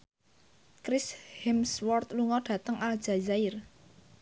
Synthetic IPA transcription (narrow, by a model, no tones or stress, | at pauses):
kɾɪshɛmswɔrt̪luŋɔɖ̥ä̤t̪əŋʔald̥ʒ̥a̤zaɪr